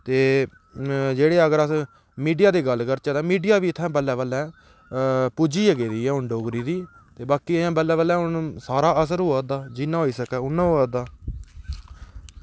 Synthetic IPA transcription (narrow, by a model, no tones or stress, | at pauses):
t̪eː | d͡ʒeːɽeːəɡəɾəs | miːɖijaːd̪iːɡəlːkəɾt͡ʃɛːd̪ãːmiːɖijaːʋiːt̪ʰɛ̃ːbəlːɛ̃ːbəlɛ̃ː | puːd͡ʒiːəɡeːd̪iːɛ̃ːʊɳɖoːɡɾiːd̪iː | t̪eːbaːkiːəjãːbəlːɛ̃ːʋəlɛ̃ːɦʊnsaːɾaːəs̬əɾɦoːaːd̪aːd͡ʒinãːɦoːiːsəkɛːʊnːãːɦoːaːd̪aː